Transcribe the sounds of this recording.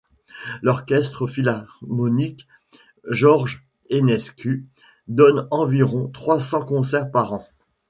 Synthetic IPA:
lɔʁkʲɛst̪χəfilaʁmɔnik | ʒɔʁʒ | enɛskʲy | d̪ɔnɑ̃viʁɔ̃t̪χwasɑ̃kɔ̃sɛʁpaʁɑ̃

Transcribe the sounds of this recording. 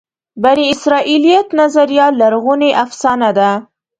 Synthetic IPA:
baɾiɪsɾɑʔilijat̪nazaɾjɑlaɾɣuneʔafsɑnad̪a

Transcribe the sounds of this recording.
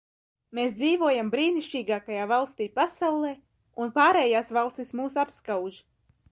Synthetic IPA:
meːsd̪ziːvuɔjambɾiːniʃt͡ʃiːɡaːkajaːvalˠst̪iːpasawlˠɛː | unpaːɾɛːjaːsvalˠst̪ismuːsapskawʒ

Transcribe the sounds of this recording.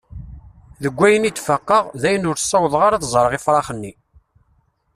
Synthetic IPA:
ðəɡʷːæjənit͡s̪ːfəqːəʁðæjənʊɾsˤːɑwðˤʁaɾaθzˤɾˤəʁifɾˤɑχənːi

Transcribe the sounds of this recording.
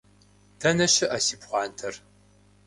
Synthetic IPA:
d̥ʰɐnɐʃɪʔasiːpχʷɑːntʰɐr

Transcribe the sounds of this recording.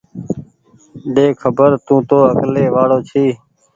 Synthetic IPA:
ɖeːkʰəbəɾt̪ũːt̪oːəkleːʋaːɽoːt͡ʃʰiː

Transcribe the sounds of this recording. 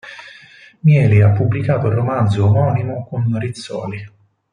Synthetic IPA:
mjɛːliapːubːlikaːt̪oilromand̪zoːmɔːnimokonrit̪sːɔ̰ːli

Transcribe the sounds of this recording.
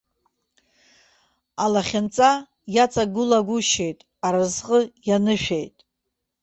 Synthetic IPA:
alaχʲɪnt͡sʼa | jat͡sʼaɡʊlaɡʷʊʃe̞jtʼ | aɾazqʼəjanɨʃᶣejtʼ

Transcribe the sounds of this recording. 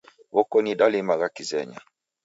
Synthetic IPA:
βɔkɔnidalimaɣakizɛɲa̰

